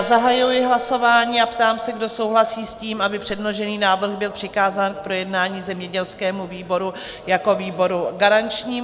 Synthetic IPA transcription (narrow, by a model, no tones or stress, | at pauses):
zaɦajujɪɦlaso̞vaːɲiːapt̪aːmsɛɡdo̞so̞wɦlasiːsciːmabɪpr̥ɛdnoʒɛniːnaːvr̩ɣbɪlpr̥ɪkaːzaːnk̚pɾo̞jɛdnaːɲiːzɛmɲɛɟɛlskɛːmuviːbo̞ɾu | jako̞viːbo̞ɾuɡaɾant͡ʃɲiː